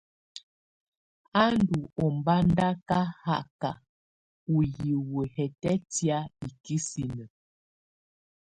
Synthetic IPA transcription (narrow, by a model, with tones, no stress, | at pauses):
a˦n˦du˨ɔ˨m˨ba˦nda˦ka˦ha˦˨ka˨ | u˨ji˨wə˨hɛ˨tɛ˦tja˦i˨ki˦si˨nə˨